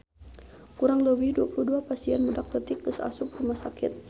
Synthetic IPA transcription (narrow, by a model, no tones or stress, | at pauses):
kuɾaŋləwiduapuluhduapasiɛnmudak̚t̪ət̪ɪk̚dəsa̰sʊk̚rumahsakɪt̪̚